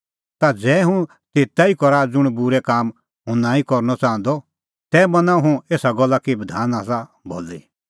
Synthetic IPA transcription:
t̪ad͡zɛːɦũ | t̪eːt̪aikɔɾad͡zʊɽ̃bʊɾɛkaːm | ɦʊ̃nãːikɔɾnɔt͡sãːə̃nd̪ɔ | t̪ɛːmɐnãɦũeːsaɡɔlːakibəd̪ʱaːnaːsa | bo̰ːlḭ

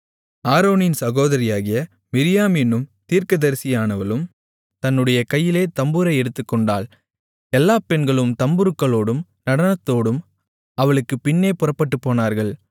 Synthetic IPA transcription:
aːɾoːnɪnsɐɣoːðɐɾɪjaːɣɪjɐ | mɪɾɪjaːmɛnːɯmt̪iːɾkɐðɐɾsɪjaːnɐʋɐlɯm | t̪ɐnːɯɽɐjɐkɐjːɪleːt̪ɐmbɯɾɐɪɛɽɯt̪ːɯkːɔɳɖaːl | ɛlːaːpɛnɡɐɭɯmt̪ɐmbɯɾɯkːɐɭoːɽɯmnɐɽɐnɐt̪ːoːɽɯm | ɐʋɐɭɯkːɯpɪnːeːpʊrɐpːɐʈːɯpːoːnaːɾɣɐɭ

